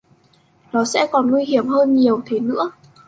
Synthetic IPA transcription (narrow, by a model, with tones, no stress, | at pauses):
nɔ˨˦sɛ̰˧˥kɔ˨˩nŋwi˧hi˧˩əmɦəː˧nɲi˨˩əwt̪ʰe˨˦nɨ̰˧˥ə